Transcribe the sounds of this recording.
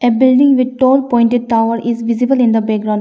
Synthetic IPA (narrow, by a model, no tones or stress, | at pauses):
ebɪlɖɪ̃ŋʋɪd̪̚ʈoːlpɔ̃ɪ̃ɳʈeɖ̚ʈaʊʋəɾizʋɪzibəlɪ̃nd̪əbɛk̚ɡɾãʊ̃ɳɖ